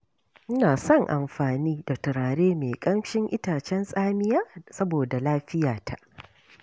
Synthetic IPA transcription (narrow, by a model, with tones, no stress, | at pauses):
ʔɪ˦naː˨sɔ˦˨ŋʔa̰˨mɸaː˨niː˦da˨tʊ˨ɽaː˨ɽeː˦meː˨kʼɐ˦mʃɪ˦ŋʔɪ˦taː˨t͡ʃɛ˦nsʼaː˦mɪ˦jaː˦sɐ˦boː˨da˨laː˦ɸɪ˦jaː˨tʰa˨ʔ